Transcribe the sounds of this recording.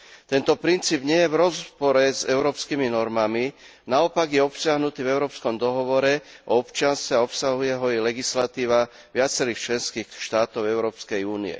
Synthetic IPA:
t̪ɛnt̪ɔpɾint͡siːbɲɪɛjɛvɾɔzpɔɾɛzɛ̰ʊɾɔːpskiːminɔɾmami | naɔpaɡjɛɔpsɪaɦnut̪iːvɛʊɾɔːpskɔmd̪ɔɦɔʋɔɾɛʔɔɔpt͡ʃɪanst̪ɛaɔpsaɦujɛɦɔɛlɛɡislat̪iːʋa | ʋɪat͡sɛɾiːxt͡ʃlɛnskiːxʃt̪aːt̪ɔʊɛʊɾɔːpskɛjuːnḭɛ̰

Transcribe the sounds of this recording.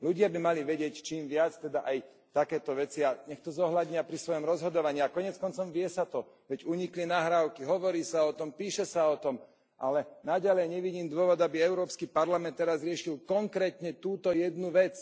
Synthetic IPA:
luɟɪabimaliʋɛɟɪɛct͡ʃiːmʋɪat͡st̪ɛd̪aʔaj | t̪akɛːt̪ɔʋɛt͡siaɲɛxt̪ɔzɔɦlad̪ɲɪapɾisʋɔjɔmɾɔzɦɔd̪ɔʋaɲiakɔɲɛt͡skɔnt͡sɔmʋɪɛsat̪ɔ | ʋɛɟuɲiklinaɦɾaʊkiɦɔʋɔɾiːsaɔt̪ɔmpiːʃɛsaɔt̪ɔm | ʔalɛnaɟalɛjɲɛʋiɟiːmd̪ʊɔʋɔd̪abiɛʊɾɔːpskipaɾlamɛnt̪ːɛɾazɾɪɛʃilkɔŋkɾɛːt̪ɲɛt̪uːt̪ɔjɛd̪nuʋɛt͡s

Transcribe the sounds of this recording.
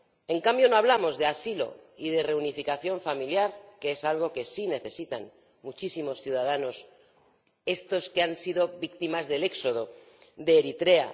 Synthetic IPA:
e̞ŋkambjo̞noaβ̞lamo̞zðe̞asilo̞̰ið̞e̞re̞unifikaθjo̞ɱfamiljaɾke̞esalɣ̞o̞ke̞sine̞θe̞sit̪a̰n | mut͡ʃisimo̞sθjuðað̞ano̞s | e̞st̪o̞ske̞ansið̞o̞βikt̪imazðe̞le̞kso̞ð̞o̞ | ðe̞ːɾit̪ɾe̞a̰

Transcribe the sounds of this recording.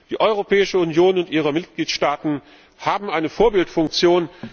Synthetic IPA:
d̥iːʔɔʏʁopʰɛːɪʃəunjoːnʊntʔiːʁ̞əmɪtɡ̥liːtʃtaːtn̩ | haːbm̩aɪnəfoːɐbɪltfʊŋk̚t͡sjoːn

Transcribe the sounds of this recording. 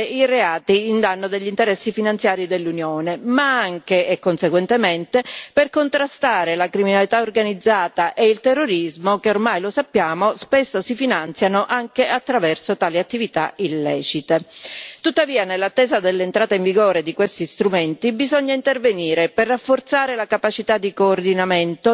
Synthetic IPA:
ireaːt̪iːnd̪anːod̪eʎːint̪eɾɛsːifinant̪sjaːɾid̪elːunjoːnemaaŋkeekːonseɡwɛnt̪ement̪eperkont̪ɾast̪aːɾelakɾiminalit̪aorɡanid̪zːaːt̪aʔeilt̪erːoɾizmokeormajlosapːjaːmospesːosifinant̪sjanoʔaŋkeat̪ːɾavɛrsot̪aːliat̪ːivit̪a̰ilːɛ̰ːt͡ʃit̪et̪ut̪ːaviːanelːat̪ːɛːzad̪elːeːnt̪ɾaːt̪aiɱviɡoːɾed̪ikwest̪ist̪ɾument̪ibizoɲːaint̪erveniːɾeperːafːort̪saːɾelakapat͡ʃit̪ad̪ːikoːrd̪inament̪o

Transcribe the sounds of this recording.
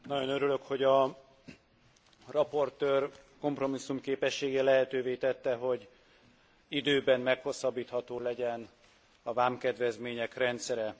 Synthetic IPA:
nɒɟo̞nøɾylø̞kho̞ɟɒ | rɒpo̞rt̪øːrko̞mpro̞misːumkeːpɛʃːeːɡɛlɛɦɛt̪øːveːt̪ɛt̪ːɛɦo̞ɟ | id̪øːbɛnmɛkho̞sːɒbːiːt̪hɒt̪oːlɛɟɛn | ɒvaːmkɛd̪ʋɛzmeːɲɛkrɛnt̪sɛɾɛ

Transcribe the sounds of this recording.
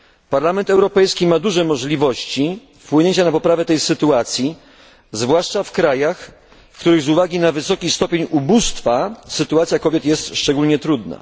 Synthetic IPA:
paɾlamɛnt̪ɛwɾɔpɛjskʲimad̪uʐɛmɔʐlʲivɔɕt͡ɕi | fpwɘɲeɲt͡ɕanapɔpɾavɛt̪ɛjsɘt̪uat̪sʲji | zvwaʂt͡ʂafkɾajax | fkt̪uɾɘɣzuvaɡʲinavɘsɔkʲist̪ɔpʲjeɲubust̪fasɘt̪uat̪sʲjakɔbʲjɛt̪jɛst̪ʂt͡ʂɛɡulɲɛt̪ɾud̪na̰

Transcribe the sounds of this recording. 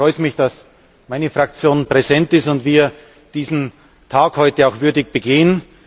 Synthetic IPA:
ʁɔʏtmɪçd̥as | maɪnəfʁak̚t͡sjoːnpʁ̥ezɛntɪstʊntv̥iːɐ | d̥iːzn̩ | tʰaːkhɔʏtəaʊxv̥ʏɐdɪçb̥əɡeːən

